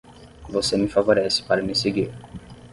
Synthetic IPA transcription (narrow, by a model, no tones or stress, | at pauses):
vosemɪfavoɾɛsɪ̥paɾɐmɪseɡiɾ